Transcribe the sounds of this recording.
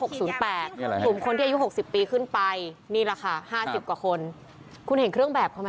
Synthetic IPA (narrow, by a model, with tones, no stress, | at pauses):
ho˨˩k̚suː˩˦npɛː˨˩t̪̚ːlu˨˩mkʰo˧ntʰiː˥˨˧ju˦˥ho˨˩k̚si˨˩pːiː˧kʰɯ˥˩npa˧jniː˥˩la˧˩kʰa˥˩haː˥˩si˨˩p̚kwaː˨˩kʰo˧n | kʰu˧nhe˨˩˦nkʰɾɯ˥˩əŋbɛː˨˩p̚kʰɔ˧m˧